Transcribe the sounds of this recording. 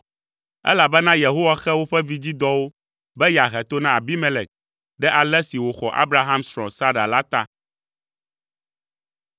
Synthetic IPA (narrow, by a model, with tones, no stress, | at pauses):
ɛ̰˦la˨bɛ˦nã˦je˨ɦo˦wa˦xɛ˦wo˦ɸɛ˦vi˦d͡ʑi˦d̪ɔ˦wo˦ | bɛ˦ja˨ɦɛ˨t̪o˦nã˨a˨bi˦mɛ˦lɛ˨k̚ | ɖɛ˦ʔa˨lɛ˦si˨wo˨xɔ˨ʔa̰˦bɾa˦ɦã˦msɾɔ̃˨sa˦ɖa˨la˦t̪a˦